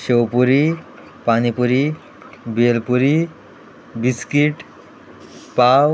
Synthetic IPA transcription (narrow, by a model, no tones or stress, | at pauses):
ɕewpuɾi | panipuɾi | belpuɾi | biskiʈ | paw